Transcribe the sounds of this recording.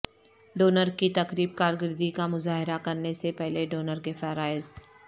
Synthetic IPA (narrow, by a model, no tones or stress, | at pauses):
ɖoːnəɾkit̪ɐkɾiːb̚kaːɾɡɪɾd̪ikamʊzaːɦɪɾakɐɾnesepɛɦleɖoːnəɾkefɛːɾaːɪz